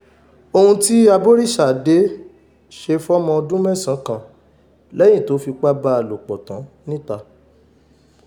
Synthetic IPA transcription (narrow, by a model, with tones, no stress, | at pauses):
o˧hũ˧ti˦a˧bo˦ɾi˦˨ʃa˨de˨˦ | ʃe˧fɔ˦mɔ̃˧o˧dũ˦mɛ̃˦˨sã˨˦kã˦˨ | lɛ˦jĩ˦˨to˨˦fi˧k͡pa˦ba˧˨lo˨k͡pɔ˨tã˨˦nĩ˦ta˧